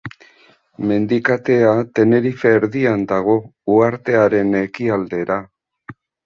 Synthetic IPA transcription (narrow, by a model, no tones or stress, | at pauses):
me̞nd̪ikat̪e̞at̪e̞ne̞ɾife̞ːɾðiand̪aɣ̞o̞uaɾt̪e̞aɾe̞ne̞kiald̪e̞ɾa